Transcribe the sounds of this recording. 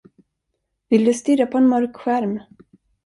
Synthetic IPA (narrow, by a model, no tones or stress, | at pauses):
vɪld̪ɵst̪ʏɾapʰɔɛnmœɾkɧæɾm